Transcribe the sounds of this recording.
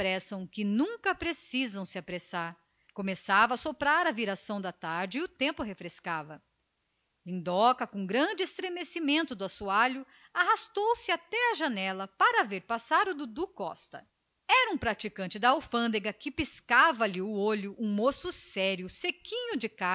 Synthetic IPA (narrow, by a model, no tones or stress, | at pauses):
pɾɛsɐ̃w̃kɪnũŋkɐpɾesizɐ̃w̃sɪapɾesaɾ | kõmesavɐːsopɾaɾɐviɾasɐ̃w̃d̪ɐt̪aɾd͡ʒɪɪʊt̪ẽmpʊɦefɾeskavɐ | lĩnd̪ɔkɐkõɡɾɐ̃d͡ʒɪest̪ɾemesimẽnt̪ʊd̪ʊasuaʎʊ | aɦast̪owsɪat̪ɛɐʒɐnɛlɐpaɾɐaveɾpasaɾʊd̪ʊd̪ukɔ̰st̪ɐ̰ | ɛɾɐũpɾat͡ʃikɐ̃nt͡ʃɪd̪ɐawfɐ̃nd̪eɡɐkɪpiskavɐlɪʊoʎʊʔũmosʊsɛɾjʊsekĩɲʊd͡ʒɪka